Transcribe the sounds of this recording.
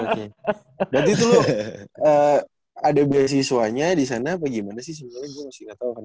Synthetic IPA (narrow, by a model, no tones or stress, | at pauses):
oke | bɾat̪it̪ulʊ | ə | adabias̬isuaɲadisanabaɡimanasɪhsəmaɲaɡuamasɪ̥ŋat̪aukan